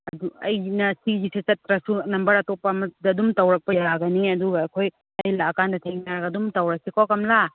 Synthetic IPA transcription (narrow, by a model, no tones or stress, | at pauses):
ɐduɐ̰jnɐsid͡ʒiset͡ʃɐtɾɐsunɐmbɐɾɐtopːɐːmɐdɐdumtɐwɾɐk̚pɐjaɡɐniɐduɡɐːkʰoj | ɐjlaːkandɐtʰeŋnaɾɐɡɐdumtɐwɾɐk̚sikʰokɐmla